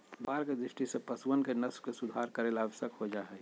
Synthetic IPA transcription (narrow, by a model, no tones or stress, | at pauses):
bʱaːɾked̪ɾɪʃʈisepəswənkenəskesʊd̪ʱaɾkəɾeːlaːʋəʃjəkhod͡ʒaɦɛ